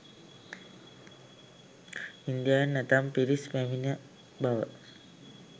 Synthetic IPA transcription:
ind̪ianət̪ampiɾismeminia | bawə̰ʔ

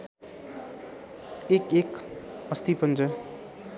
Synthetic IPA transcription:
ekekʌst̪ipʌnt͡sʌ

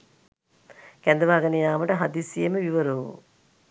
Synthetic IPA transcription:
kɛnd̪ɐʋaːɡɐnejaːʋɐʈɐɦɐd̪iːsijeməʋiʋɐɾuṵ

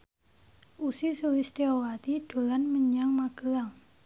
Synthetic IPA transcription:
ʔusisulist̪iɔwat̪iɖ̪̥o̤lanməɲaŋmaɡ̥əlaŋ

